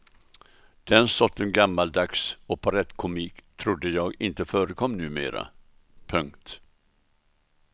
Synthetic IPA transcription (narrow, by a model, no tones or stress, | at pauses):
d̪̥ɛnsɔt̪ʰːɛnɡamːald̪aksɔpʰɔɾɛt̪ːkʰʊmiːkt̪ʰɾʊd̪ːəjɑːɡɪnt̪əfœːɾəkʰɔmːnʉ̟ːmḛːɾa̰ | pʰɵŋkt̪